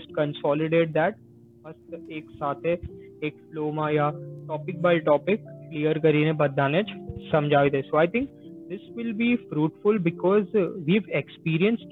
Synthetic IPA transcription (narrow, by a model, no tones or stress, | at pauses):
sʈ̚kə̃nsɔːlɪɖeːʈ̚d̪ɛːʈ̚ | mɐst̪eːksaːt̪ʰeeːkfloːmajaʈɔːpɪk̚baːɪʈɔːpɪkːliːəɾkɐɾiːnẽbɐd̪aːnet͡ʃsɐ̃md͡ʒʱaːʋed̪esoːaɪt̪ʰɪ̃ŋkd̪ɪsʋɪlbifɾuːʈfʊlbɪkɔːzʋiːʋekspiːɾiə̃nsʈ